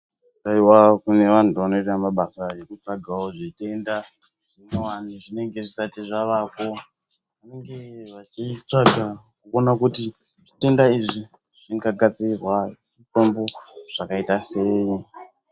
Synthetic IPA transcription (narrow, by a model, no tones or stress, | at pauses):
kaiwakune̞ʋan̤utuʋano̞itamaɓasaje̞kut͡ʂaɡʱawoʐete̞nda | ʐ̥inowaniʐine̞ŋɡe̞ʐisatiʐaʋako̞ | ʋane̞ŋɡe̞ʋat͡ʃit͡ʂaɡʱakukonakuti | ʐite̞ndaiʐi | ʐ̥iŋɡaɡʱat͡sirwa | ito̞mbo̞ʐ̥akaitase̞ːi